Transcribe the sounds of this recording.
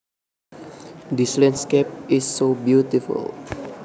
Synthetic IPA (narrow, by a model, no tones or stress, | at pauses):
dislɛ̃nskep̚ɪsːobjut̪ifṵl